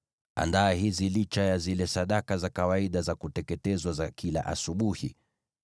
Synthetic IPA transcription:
a̰ndaːhizilit͡ʃajazilɛsaɗakazakawaiɗazakutɛkɛtɛzwazakila̰ʔa̰suɓuhḭ

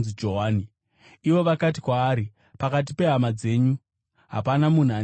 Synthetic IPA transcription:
zid͡ʒo̞ɦaːni | iʋo̞ʋakat̬i̥kwaːɾi | pakat̬ipe̞ɦamad͡ze̞ːɲu | ɦa̰panamun̤uɦa

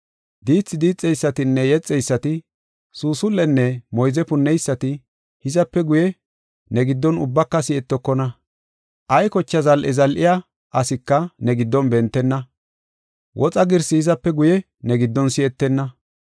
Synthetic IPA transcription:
d̪iːt͡sːɪd̪iːt͡sʼːɛjsːɐt̪ɪnːɛjɛt͡sʼːɛjsːɐt̪ɪ | suːsʊlːɛnːɛmɔjzɛpʊnːɛjsːɐt̪ɪ | hɪzɐpːɛɡʊjɛ | nɛɡɪd̪ːɔnʊbːɐkːɐsɪɛt̪ːɔkːɔnɐ | ʔɐjkɔt͡ʃːɐzɐlʔɛzɐlʔɪja | ʔɐsɪkːɐnɛɡɪd̪ːɔnbɛnt̪ːɛnːɐ | wʔɔt͡sʼɐɡɪɾsɪhɪzɐpːɛɡʊjɛ | nɛɡɪd̪ːɔnsɪɛt̪ːɛnːɐ

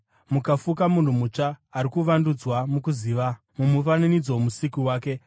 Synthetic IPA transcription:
mukafukamun̤umut͡ʂaːɾikuʋandud͡zwamukuziːʋa | mumufananid͡zo̞musikuwaːke̞

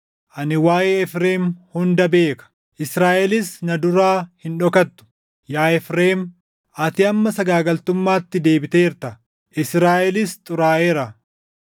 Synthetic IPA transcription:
ʔɐnɪwaːʔeːɛfɾe̞ːmhʊnd̪ɐbe̞ːkɐ̥ | ʔɪsɾaːʔɛlɪsnɐd̪ʊɾaːhɪnᶑɔkɐt̪ːʊ̥ | jaːɛfɾeːm | ʔɐt̪ɪɐmːɐsɐɡaːɡɐlt̪ʊmːaːt̪ːɪd̪e̞ːbɪt̪eːɪɾt̪ɐ | ʔɪsɾaːʔɛlɪst̪ʼʊɾaːʔeːɾɐ

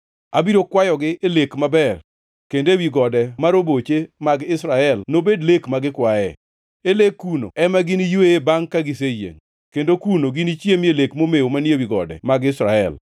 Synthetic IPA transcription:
abiɾokwajɔɡɪʔelekmabɛr | kendewiɡɔdɛmaɾobot͡ʃemaɡɪsɾaɛlnobedlekmaɡɪkwaɛ | elekːuno̰ɛmaɡɪnijueebaŋkaɡɪsejḛŋ | kendokunoɡinit͡ʃjemelekmomeomanjewiɡɔ̰dɛ̰maɡɪsɾaɛ̰l

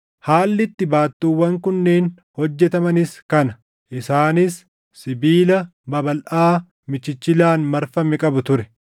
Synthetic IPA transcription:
haːlːɪt̪ːɪbaːt̪ːuːwːɐŋkʊnːeːn | hɔd͡ʒːɛt̪ɐmɐnɪskɐnɐ | ʔɪsaːnɪsː | ɪbiːlɐbɐbɐlʔaː | mɪt͡ʃːɪt͡ʃːɪlaːnmɐɾfɐmɛkʼɐbʊt̪ʊɾɛ

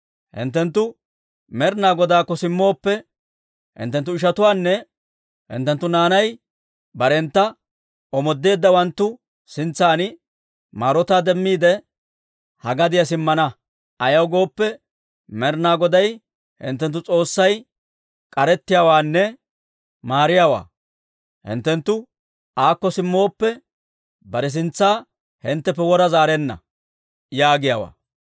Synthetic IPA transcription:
hɪ̰nt̪ːɛnt̪ːʊ | mɛɾnaːɡɔd̪aːkːɔsɪmːo̞ːpːɛ | hɪ̰nt̪ːɛnt̪ːʊɪʃ̬ɐt̪ʊwaːnːɛ | hɪ̰nt̪ːɛnt̪ːʊnaːnɐj | bɐɾɛnt̪ːɐ | ɔmɔd̪ːe̞ːd̪ːɐwɐnt̪ːʊ | sɪnt͡sːaːnɪ | maːɾɔt̪aːd̪ɛmːiːd̪ɛ | hɐɡɐd̪ɪjɐs̬ɪmːɐnɐ | ɐjɐwɡo̞ːpːɛ | mɛɾnaːɡɔd̪ɐj | hɪ̰nt̪̬ːɛnt̪ːʊt͡sʼo̞ːsːɐj | kʼɐɾɛt̪ːɪjaːwaːnːɛ | maːɾɪjaːwa̰ː | hɪ̰nt̪ːɛnt̪ːʊ | aːkːɔsɪmːo̞ːpːɛ | bɐɾɛs̬ɪnt͡sːaː | hɪnt̪ːɛpːɛwɔɾɐzaːɾenːɐ̰ | jaːɡɪja̰ːwa̰ː

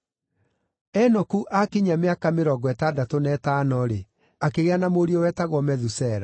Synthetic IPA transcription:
ɛnɔkuʔakiɲameakameɾɔɡɔɛtadatonɛtanɔɾe | akeɣeanamoɾiɔwɛtaɣwɔmɛðusɛɾa

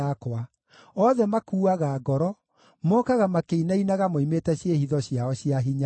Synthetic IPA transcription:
akwa | ɔðɛmakuːaɣaːɡɔɾɔ | mɔkaɣamakeinainaɣamoimetɛɕjehiðɔɕjaɔɕjaɦiɲa

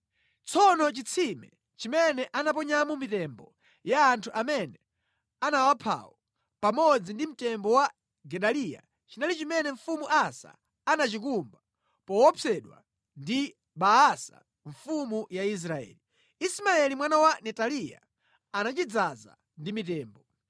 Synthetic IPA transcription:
t͡sʰɔnɔt͡ʃit͡sʰimɛ̰ | t͡ʃimɛnɛʔanap̬ɔɲamumitɛmbɔ | jaːntʰuʔamɛnɛ | anawapʰa̰wɔ | pamɔd͡zindim̩tɛmbɔwa | ɡɛɗalija̰ | t͡ʃinalit͡ʃimɛnɛɱfumuʔasa̰ː | nat͡ʃik̬umba | pɔwɔpʰɛɗwa̰ | ndi | ɓaasa̰ | ɱfumujais̬ɾaɛ̰ːli | ismaɛlimwanawanɛtalija̰ | anat͡ʃid͡zaza̰ | ndimit̬ɛːmbɔ

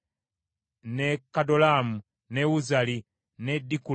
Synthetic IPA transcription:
nekadolamu | newuzali | nediku

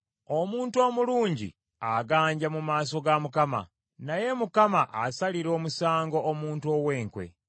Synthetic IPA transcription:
omuːntuo̞ːmuluːɲɟḭ | aɡaːɲɟamumaːso̞ɡamukama̰ | naje̞mukamaʔasaliɾo̞ːmusaːŋɡo̞ʔːmuːntuo̞ːweːŋkwe̞̰

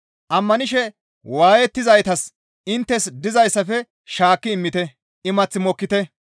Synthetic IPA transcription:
ʔɐmːɐnɪʃɛ | waːjɛt̪ːɪzɐjt̪ɐs | ɪnt̪ːɛsd̪ɪzɐjsːɐfɛ | ʃaːkːɪɪmːɪt̪ɛ | ɪmɐt͡sːɪmɔkːɪt̪ɛ

